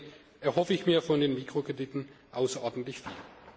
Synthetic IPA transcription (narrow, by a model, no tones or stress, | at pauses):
ʔɛɐɦɔfəɪçmiːɐfɔndeːnmiːkʁ̥okʁ̥ediːtn̩ʔaʊsɐʔɔɐdn̩tlɪçfḭːl